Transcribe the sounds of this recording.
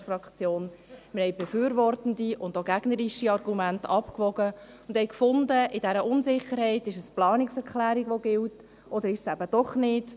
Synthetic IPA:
fɾɑkt͡sjoːnməɾhɛɪbɛfyːɾvɔrtən̩diʊndoɡæɡ̥nəɾiʃiɑɾɡumæntɑpkʋɔɡə | ʊnd̥hɛɪkfʊndəʔɪdɛɾəʔʊnzɪχəɾhɛɪtɪʃəsplɑːniksɛɾklæːɾiɡʋoɡɪlt | ʔɔd̪əɾɪʃsæbəd̥ɔχnɪd̥

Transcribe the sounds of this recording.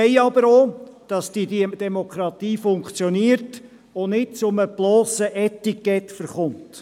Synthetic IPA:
ɛɪɑbəɾoːd̥ɑsd̥idd̥ɛmokʰɾɑt̪iːfʊŋkt͡sjoniːəɾt | onɪt̚t͡sʊməb̥loːsəʔɛtikːɛtfəɾχʊnt

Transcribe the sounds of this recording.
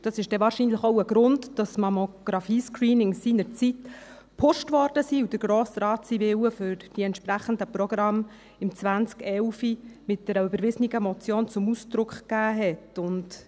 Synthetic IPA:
d̥ɑsɪʃd̥ɛvɑːɾʃiːnləχoʊəɡɾʊntd̥ɑsmɑmoɡ̥ɾɑfiːskriːnɪŋsiːnəɾt͡sit | pʰʊʃtvɔɾd̥əsiːud̥əɾɡ̥ɾoːsɾɑːtsivɪwəfʏɾd̥iɛntʃpɾæχəndəprɔɡ̥ɾɑm | ɪmt͡sʋænt͡skɛlfimɪt̚d̥ɛɾəøbəɾvɪzəniɡəmɔt͡sjoːnt͡sʊmusd̥ɾʊkχkæːɦɛtʊnt

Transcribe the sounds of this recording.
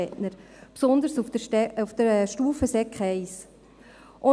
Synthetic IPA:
ɛtnəɾ | psɔnd̪əɾsufəɛufd̥əɾʃtuːfəsɛkχɛɪs | ʔʊ

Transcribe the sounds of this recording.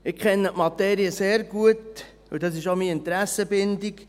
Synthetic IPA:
ɪkʰχɛnːəʔmɑt̪ɛːɾiəseːɾɡuət | ṵd̥̪ɑs̬ɪʃomiːɪnt̪ɾæsəbɪndik

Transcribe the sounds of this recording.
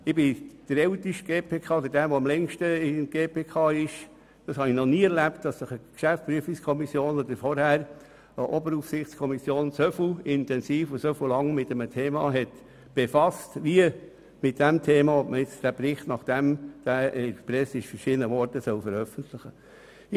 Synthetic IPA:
ɪbɪd̥əɾɛʊtiʃt̚ɡ̥eːpʰeːkʰɑːod̪ədæːʋoɑmlɛŋʃtəɪnɡ̥eːpʰeːkʰɑːɪʃ | d̥ɑshɑnɪnɔniːɛɾlæptd̥ɑsːəχəkʃæft͡spɾyəfikskʰɔmisjoːnɔd̪əɾfɔɾhæːɾ | əʔɔbəɾufsɪχt͡skʰɔmisjoːnsœflɪntɛnsiːfʊsœfulɑŋmɪtɛmətʰeːmɑːɦɛt | b̥efɑstʋiə | mɪt̚d̥æmtʰeːmɑɔpməjɛt͡sd̥æbɾɪχtnɑχd̥æmd̥æɛpɾɛsɪʃfəɾʃɪdənəʋɔɾtəsœlfəɾœfəntlɪχə

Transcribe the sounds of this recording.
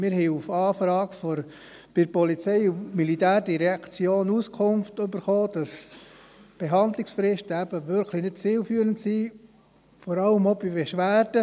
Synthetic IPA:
mɪɾhɛɪufɑːfɾɑːɡfɔɾ | b̥ɪɾpɔlit͡sɛɪumilitæːɾdiɾɛɑkt͡sjoːnuskʰʊnftɵbəɾχoːd̥ɑs | b̥eɦɑnd̪lɪksfɾɪʃtəæb̥əʋʏɾkʰlinɪt̚t͡siːlfyːɾəntsi | fɔɾɑləmobibɛʃʋæːdə

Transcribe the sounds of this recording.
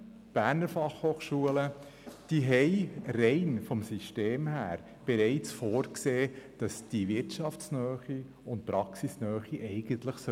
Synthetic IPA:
b̥æːɾnəɾfɑχhoːχʃuələ | d̥iɦɛɪɾɛɪnfɔmsiʃteːmhæːɾ | b̥ɛɾɛɪt͡sfoːɾkseːd̥ɑsd̥iʋɪɾtt͡ʃɑfsnœːχi | ʊnt̚pɾɑksisnœːχiʔɛɪɡənt̪ləχsœ

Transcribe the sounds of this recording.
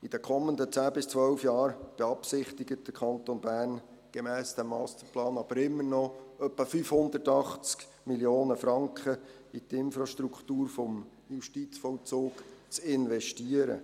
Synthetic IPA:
id̥̪əkʰɔmənd̪ət͡sæːbɪst͡sʋœlfjɑːɾb̥ɛɑpsɪχt̪ɪɡət̚d̥əkʰɑnt̪onbæːrn | ɡ̥ɛmɛːsd̪̥ɛmːɑst̪əɾplɑːnɑb̥əɾɪmːəɾnɔœpːəfyfhʊnd̪ətɑχt͡sk | miljoːnəfɾɑŋkχə | it̪ɪnfɾɑʃtɾukχtuːɾfɔm | juʃtit͡sfɔlt͡soːkt͡sɪnʋɛʃtiəɾə̰

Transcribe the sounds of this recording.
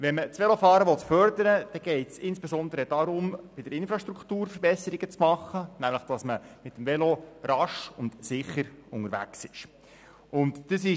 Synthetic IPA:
ʋɛnmət͡sʋɛlofɑːɾəʋɔt̪fœɾd̪əɾəd̥ɛɡ̥ɛɪtsɪnsb̥ɛsɔnd̪əɾədɑɾʊmb̥ɪd̥əɾɪnfɾɑʃtɾukt̪uːɾfəɾbɛsəɾiɡ̥ət͡smɑχːənæmləχd̥ɑsməmɪt̪ːm̩vɛloɾɑʃʊndsɪχəɾʊŋəɾʋæ̰ksɪʃ | ʊntd̥əs̬ɪ

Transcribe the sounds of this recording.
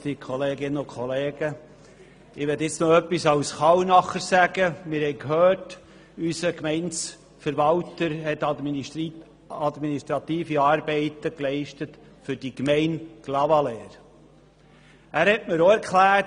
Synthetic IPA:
d̥ikʰɔleːɡɪnənʊkχɔleːɡə | ɪʋɛtɪt͡snoœpːisɑwsχɑwnɑχəɾsæɡəmɪːɾhɛɪkhøːt | ysəkmɛɪns | fəɾʋɑwtəɾhɛtɑ | ɑd̪miniʃtɾɑt̪iːfiɑːɾbɛɪtəklɛɪʃtət | fʏɾdikmɛɪnɡ̥lɑvɑlɛːɾ | æːɾhɛtməɾoɛɾkʰlæː

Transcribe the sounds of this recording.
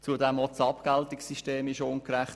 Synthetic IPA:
t͡sudɛmɔtsɑpkaltɪksiʃteːmɪʃonkɾɛχt

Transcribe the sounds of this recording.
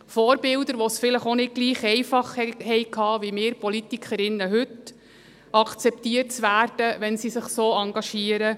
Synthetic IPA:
fɔːɾbɪld̪əɾʋɔsfɪləχonɪd̚ɡ̥liːχɛjfɑχhɛhɛɪkʰɑːʋimɪːɾpɔlitikʰχəɾɪnːəɦʉt | ɑkʰt͡sɛptiːərt̚t͡sʋæːrd̥əʋɛnsisəχsoːɑŋɡɑʃiːəɾə

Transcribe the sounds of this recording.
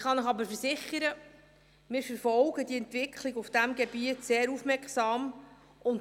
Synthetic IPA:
χɑnəχɑbəɾfəɾsɪχəɾə | mɪːɾfəɾfɔlɡədiɛntvɪkχlɪɡʊfd̥æmɡɛb̥iətseːɾufmɛɾkχsɑːm | ʊn

